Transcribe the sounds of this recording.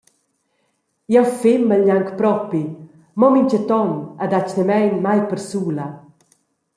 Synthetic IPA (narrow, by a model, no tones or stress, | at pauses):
jɛwfɪmːəʎaŋkpɾɔpi | mɔmiɲt͡ʃət̪ɔnəd̪at͡ʃnəmɛjnmajpəɾsuːla